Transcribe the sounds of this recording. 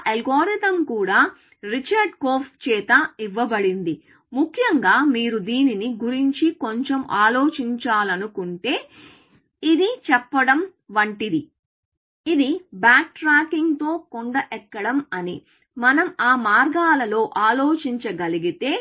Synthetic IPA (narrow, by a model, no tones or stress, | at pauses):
ʔelɡoːɾit̪ɐmkuːɽaː | ɾit͡ʃɐɾɖkoːpt͡ʃɛːt̪ɐiʋːɐbɐɽind̪i | mukʰjɐŋɡaːmiːɾud̪iːniniɡuɾiɲt͡ʃikoɲt͡ʃemʔaːlo̞ːt͡ʃiɲt͡ʃaːlɐnukuɳʈe̞ː | id̪it͡ʃɛpːɐɽɐmʋɐɳʈid̪i | id̪ibaːk̚ʈɾaːkiŋɡt̪o̞ːkoɳɖɐʔɛkːɐɽɐmɐni | mɐnɐmaːmaːɾɡaːlɐlo̞ːʔaːlo̞ːt͡ʃiɲt͡ʃɐɡɐliɡit̪e̞ː